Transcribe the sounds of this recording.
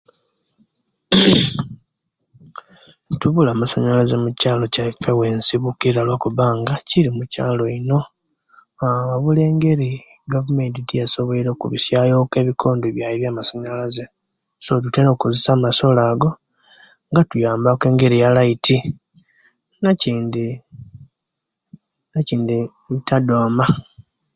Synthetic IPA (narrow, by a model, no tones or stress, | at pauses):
tuβulaːmasaɲalazemucaːlo̞cafewe̞ːnsiβukiɾalwakuβaːŋɡaciɾimucaːlo̞ino̞ | aaβule̞ːŋɡe̞ɾi | ɡavume̞ntitijaso̞βoiɾo̞ːkuβisjaːjo̞ke̞ːβikʰo̞ːndoβjaːjiβjaːmasaɲalaze | sot̬uteɾokozesaːmaso̞laːɡo̞ | ŋɡatujaːmbake̞ːŋɡe̞ɾijalaitʰi | naciːndi | naciːndi | itʰadoːma